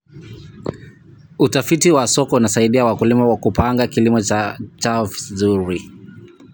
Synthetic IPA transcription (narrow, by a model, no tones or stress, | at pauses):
utafitiwasɔkɔunasaiɗiawakulimawakupaŋɡakilimɔat͡ʃafzuɾi